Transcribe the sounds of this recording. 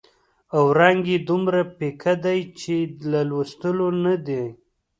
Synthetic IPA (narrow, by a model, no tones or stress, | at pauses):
awɾaŋɡed̪umɾapekʰad̪ajt͡ʃelalwast̪əlonad̪e